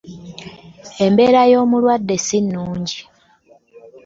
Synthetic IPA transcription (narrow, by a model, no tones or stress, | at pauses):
e̞mbe̞ːɾajo̞ːmulwadːe̞sinːuːɲɟi